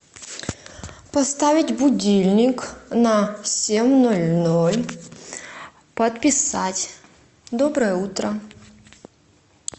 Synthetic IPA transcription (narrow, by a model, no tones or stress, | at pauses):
pɐst̪avʲɪtʲbʊdʲilʲnʲɪknɐsʲemʲnolʲnolʲ | pɐt̪̚pʲɪsatʲ | d̪obɾəjəut̪ɾə